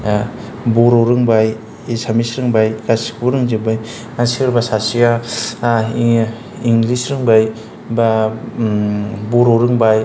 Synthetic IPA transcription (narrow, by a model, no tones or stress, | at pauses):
boɾoɾɯŋbaj | isamisɾɯŋbajkasi̥kpuɾɯŋzɯbaj | asiɾbasasija | iŋɡlisɾɯŋbaj | ba | boɾoɾɯŋbaj